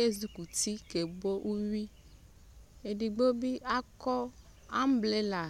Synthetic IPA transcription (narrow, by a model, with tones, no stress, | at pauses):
e˦zu˦ku˨t̪i˦ke˨bo˦ʔu˦wi˦ | e˨ɖi˨ɡ͡bo˦bi˦ʔa˦kɔ˦ | a˦m˦ble˦la˨